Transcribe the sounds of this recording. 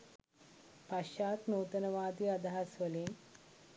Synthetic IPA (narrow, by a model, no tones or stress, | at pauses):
pɐʃaːt̪noːt̪ɐnɐʋaːd̪iɐd̪ʱaːɐsʋɐleːm